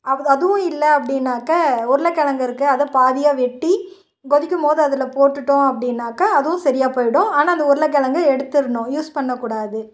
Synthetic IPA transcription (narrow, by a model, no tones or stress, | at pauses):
ɐɐðɯʋʊ̃ɪlːɐɐpːɐɽɪnːaːkɐɔɾɯlɐkɛɭɐŋɡɐɪɾɯkːɯɐðɐ̃paːðɪjaːʋɛʈːi | ɡɔðɪkʲːɯmpoːðɯɐðɪlɐpoːʈːɯʈːõɐpːɐɽɪnːaːkɐːðɯʋʊ̃sɐɾɪjaːpoːjɪɽʊ̃aːnaːɐnd̪ɐɔɾɯlɐk̬ɛɭɐŋɡɐɛɽɯt̪ːɪɾɯɳɖʊ̃juːspɐɳːɐkːuːɽaːðɯ